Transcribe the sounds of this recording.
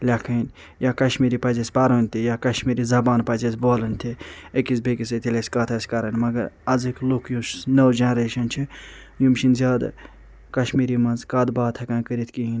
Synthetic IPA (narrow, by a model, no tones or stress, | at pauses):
lʲakʰɐn | jaːkɐʃmiːɾipɐzesʲpaɾoːnʲt̪ʰijakɐʃmiːɾizɐbaːnpɐzesboːlɨnʲt̪ʰiekisbekisɐt̪ʰilʲesʲkat̪ʰɐsʲkɐɾɐnmɐɡɐɾɐzɨklokʰjusnɐwd͡ʒɐnɾeːʃɐnt͡ʃʰi | jumʃinzʲaːd̪̰ | kɐʃmiːɾimɐnzkaːd̪baːt̪ʰɐkãːnkəɾit̪ʰkiɦin